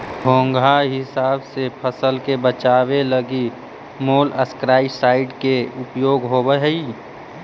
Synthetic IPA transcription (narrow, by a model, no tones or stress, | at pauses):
bʱõːŋɡʱaɦɪsaːbsepʰəsəlkebət͡ʃaːweləɡi | moːləskɾaːisaːɪɖkeʊpjoːɡɦoːbəɦi